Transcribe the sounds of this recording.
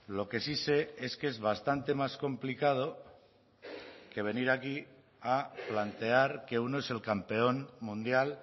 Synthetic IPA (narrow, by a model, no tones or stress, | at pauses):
lo̞ke̞sise̞e̞ske̞zβast̪ant̪e̞masko̞mplikað̞o | ke̞β̞e̞niɾaki | aplant̪e̞aɾke̞uno̞e̞se̞lkampe̞o̞nmũnd̪jal